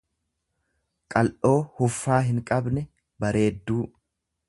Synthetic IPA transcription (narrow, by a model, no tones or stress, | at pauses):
kʼɐlʔo̞ːhʊfːaːɦɪŋkʼɐbnɛ | bɐɾe̞ːd̪ːuː